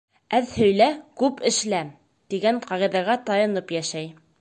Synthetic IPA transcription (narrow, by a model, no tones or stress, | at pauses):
æðhɵ̆jlækʉpɘ̆ʃlæm | t̪iɡæɴqɑʁiðæɣæt̪ɑjɤ̆nɤpjæʃæj